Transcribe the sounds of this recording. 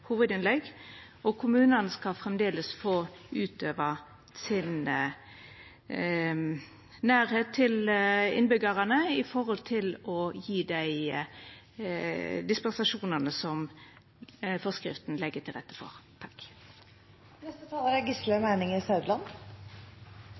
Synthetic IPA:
huːʋəd̪ɪnlɛɡ | ɔkʰʊmʉːnənəskɑfʁɛmd̪eːləsfoːʔʉːt̪ʰøːʋə | sɪn | næːɾheːt̪ʰːɪlɪ̰nbʏɡɑʁɑnəɪfɔɾhɔlt̪ʰɪlɔjiːd̪æɪ | d̪ɪspɛnsɑʂuːnənəsɔm | fɔskɾɪ̰ft̪n̩lɛɡət̪ʰɪlʁɛ̰t̪ːə̥fɔ̰ʁt̪ʰɑ̥k | nɛst̪ət̪ʰɑːləɾæɡɪslœmæɪnɪŋɪsœʉd̪lɑn

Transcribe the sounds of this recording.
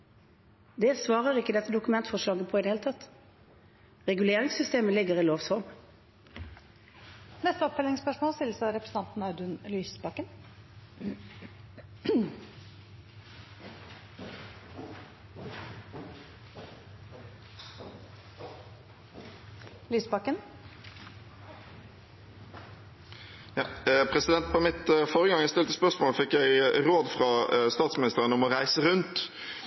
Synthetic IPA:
d̪ɛsʋɑːʁəʁɪkːəd̪ɛt̪ːəd̪ʊkʉmɛnt̪fɔʂlɑːɡəpʰɔid̪ɛheːlt̪ʰɑt̪ | ʁɛɡʉleːʁɪŋsʏst̪eːməlɪɡəʁiːloːʋsɔʁm | nɛst̪əɔpfɛlɪŋspœʂmoːlst̪ɪlsɔɾɛpɾəsən̩t̪ɑnt̪n̩ɑd̪ʉnlyːsbɑkən | lyːsbɑkːən | jɑpʰʁɛsɪd̪ɛnt̪̚pʰɔmɪt̪foːʁəɡɑŋæɪst̪ɪlt̪əspœʁsmoːlfɪkːjæɪʁoːd̪fʁɑst̪ɑːt̪smɪnɪst̪əʁənɔmɔʁæɪsəʁʉnt̪

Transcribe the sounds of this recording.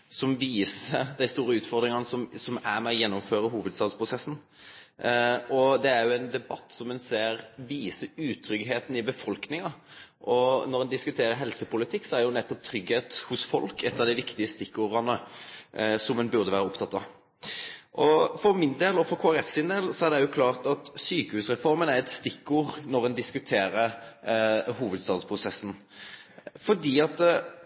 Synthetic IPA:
sɔmʋiːsəd̪æɪst̪uːɾəʉːt̪fɔʁd̪ɾɪŋɑnəsɔmsɔmæɾmɛɔjɛnːɔmføːɾəɦuːʋəd̪st̪ɑːd̪spʰɾʊsɛsːn̩ | ʔɔd̪ɛæɾjʊɛnd̪ɛbɑt̪ːsɔmɛnseːɾʋiːsəʉːt̪ʰɾʏɡɦeːt̪n̩ɪbəfɔlknɪŋɑʔɔnɔɾɛnd̪ɪskʉt̪ʰeːɾəɾɦɛlsəpʊlɪt̪ʰɪkːsɔæɾjʊnɛt̪ːɔp̚t̪ʰɾʏɡheːt̪hʊsfɔ̰lkɛt̪ːəʁd̪æɪʋɪkt̪ɪəst̪ɪkːuːɾɑnə | sɔmɛnbʉʁd̪əʋæːɾəʊpt̪ʰɑt̪ːɑ̰ | ʔɔfɔɾmɪnd̪eːlɔfɔkʰoːæɾɛfsɪnd̪eːlsɔæʁd̪ɛjʊkʰlɑːʁt̪ɑt̪syːkəhʉːsʁɛfɔɾmənæɾɛt̪st̪ɪkːuːʁnɔɾɛnd̪ɪskʉt̪ʰeːɾəɾ | ɦuːʋəd̪st̪ɑːd̪spʰɾʊsɛsːn̩ | fɔd̪iːɑt̪̚d̪

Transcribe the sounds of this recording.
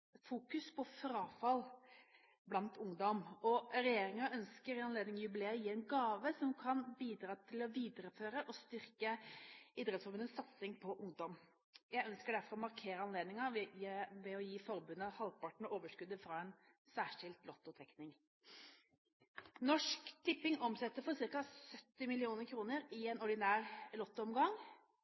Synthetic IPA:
fuːkʉspʰɔfɾɑːfɑl | blɑnt̪ʊŋd̪ɔmɔɾɛjeːɾɪŋɑœnskəɾɪɑnleːd̪nɪŋjʉbɪleːəjiːɛnɡɑːʋəsɔmkʰɑnbiːd̪ɾɑːt̪ʰɪlɔʋiːd̪ɾəføːɾəʔɔst̪ʏɾkəid̪ɾɛt̪sfɔɾbʉnəsːɑt̪sɪŋpʰɔʔʊŋd̪ɔm | jæɪœnskəɖæɾfɔɾɔmɑɾkʰeːɾəɑnleːd̪nɪŋɑ | ʋɛɔjiːfɔɾbʉnːəhɑlpɑʈɳ̩ɔoːʋəʂkʉd̪əfɾɑɛn | sæːʂɪlt̪lɔt̪ːɔt̪ʰɾɛknɪŋ | nɔʂkt̪ʰɪpːɪŋɔmsɛt̪ːəɾfɔɾsɪɾkɑsœt̪ːɪmɪlɪuːnəɾkʰɾuːnəɾɪɛnɔɖɪnæːɾlɔt̪ːəɔmɡɑŋ

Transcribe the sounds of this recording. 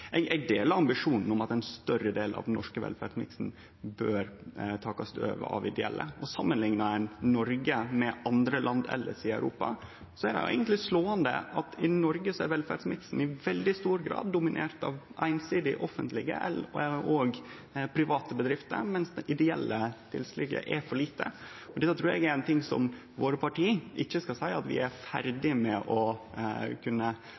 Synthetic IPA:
ɛɪɡɛɪd̪eːlɑɾɑmbɪʂuːnn̩ɔmɑt̪ɛɪnst̪œɾəd̪eːlɑ̰ʋnɔ̰ʂkəʋɛ̰lfæɖsmɪ̰ksn̩ | bøːɾt̪ʰɑːkɑst̪ø̰ːʋə̰ʔɑ̰ʋɪd̪ɛɛ̰lːə̰ɔsɑmːənlɪŋnɑɛɪnnɔɾɡəmɛʔɑnd̪ɾəlʔɑnd̪ɛ̰lːə̰sɪœ̰ʉɾuːpɑ̰ | sɔæɖɛ̰jʊ̰ʔɛ̰ɪɡənt̪lɪsloːənd̪ə̰ʔɑt̪ʰɪnɔɾɡəsɔæɾʋɛlfæɖsmɪksn̩ɪʋɛld̪ɪst̪uːɾɡɾɑ̰ːd̪ːʊmɪnʔḛːɾt̪ɑ̰ʋʔæ̰ɪnsiːd̪ɪʔɔfənt̪ʰlɪɡə̰ʔɛ̰lʔoːɡ | pʰɾɪʋɑːt̪əbəd̪ɾɪft̪ə̰mɛnsd̪ɛʔɪd̪ɛɛlːət̪ʰɪ̰lslɪɡə̰ʔɛɾfɔɭiːt̪ə̰ | ɔd̪ɛt̪ːɑt̪ʰɾʉːɾɛɡɛɛnt̪ʰɪŋsɔ̰m | ʋoːɾəpɑʈiːʔɪçːəskɑsæɪɑt̪ʋɪ̰ʔæɾfæ̰ɾd̪ɪmɛʔɔ | kʰʉnːə

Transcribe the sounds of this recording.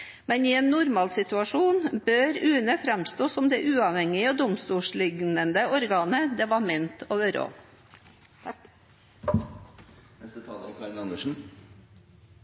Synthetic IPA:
mɛniːeːnːʊɾmɑːlsɪt̪ʉɑʂuːnbøːɾʉːnəfɾæmst̪oːsɔmd̪ɛːʔʉːɑʋhɛŋɪoːd̪ʊmst̪uːʂɭɪɡnənd̪əʔɔɾɡɑːnəd̪ɛʋɑmɛnt̪ʰoːʋəɾo̰ː | ɛsət̪ʰɑːlɾkʰɑɾɪnɑnd̪əʂn̩

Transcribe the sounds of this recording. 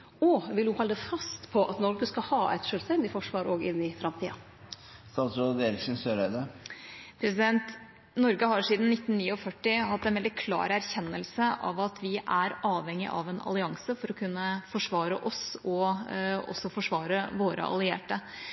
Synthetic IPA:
ɔʋɪlhʊhɔlːd̪əfɑst̪pʰɔʔɑt̪nɔɾɡəskɑhɑːʔæ̰ɪt̪ʂøːlst̪ɛnd̪ɪfɔʂʋɑːɾoːɡɪnːɪfɾɑmt̪ʰiːɑ̰ | st̪ɑːt̪sɾoːd̪əɛɾɪksn̩søːɾeːd̪ə | pʰɾɛsɪd̪ɛnt̪ | nɔɾɡəɦɑɾʂiːd̪n̩nːɪt̪ːnnːiːɔfœʈːɪhɑt̪ːɛnʋɛld̪ɪkʰlɑ̰ːɾæɾçɛnːəlsəʔɑ̰ʋɑt̪ʰʋɪʔæɾɑːʋhɛŋːɪ̰ʔɑ̰ʋɛnɑ̰lɪɑŋsəfɔɾɔkʰʉnːəfɔʂʋɑːɾəʔɔsɔ | ɔ̰sːɔfɔʂʋɑːɾəʋoːɾə̰ʔɑ̰lɪḛːʈə

